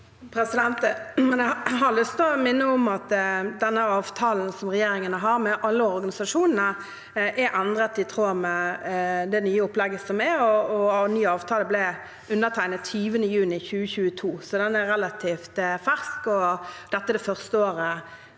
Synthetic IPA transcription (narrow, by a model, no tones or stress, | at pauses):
pʰɾɛsɪd̪ɛnt̪əmɛnɛɦɑlʏst̪ɔmɪnːəʊmɑt̪d̪ɛnːəɑːʋt̪ʰɑːln̩sɔmʁɛjeːɾɪŋənəɦɑɾmɛʔɑlːəɔɾɡɑnɪsɑʂuːnənə | ʔɛɾʔɛnd̪ʁət̪ɪt̪ʰʁoːmɛ | d̪ɛnyːəʊplɛɡːəsɔmɛɔɔnyːəɑːʋt̪ʰɑːləblɪ | ʉnːət̪ʰæɪnət̪ʰyːʋənəjʉːnɪçʉːəçʉːət̪ʰuːsɔd̪ɛnɛɾɛlɑt̪ʰiːft̪fæʁskɔd̪̥ɛt̪ːəɛd̪ɛfœʁst̪əoːɾə